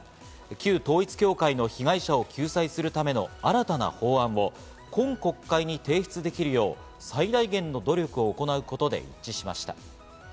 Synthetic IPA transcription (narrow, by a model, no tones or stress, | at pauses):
kʲɨːt̪o̞ːit͡sɨ̥kʲo̞ːkaino̞çiɡaiɕao̞kʲɨːsaisɨɾɯ̟t̪ame̞no̞̰aɾat̪ana̰ho̞ːãɰ̃βo̞ | kõ̞ŋko̞kːaiɲ̟it̪e̞ːçi̥t͡sɨd̪e̞kʲiɾɯ̟jo̞ː | said̪aiɡẽ̞nːo̞d̪o̞ɾʲo̞kɯ̟o̞ːko̞naɯ̟ko̞t̪o̞d̪e̞̰ḭt͡ɕːiɕima̰ɕi̥t̪a̰